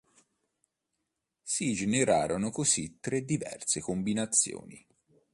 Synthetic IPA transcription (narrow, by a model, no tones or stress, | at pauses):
sid͡ʒeneɾaːɾonokosit̪ːɾed̪ːivɛ̰rsekombinat̪sːjo̰ːnḭ